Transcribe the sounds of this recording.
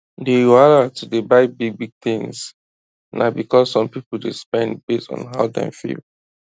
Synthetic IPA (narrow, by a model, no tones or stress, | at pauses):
dealatudebaɪbiɡ̚biɡ̚θĩŋs | nʔa̰bikɔsːɔ̃mpipl̩dḛspɛ̃ndbestɔ̰̃n̩ɦaʊdã̰fḭl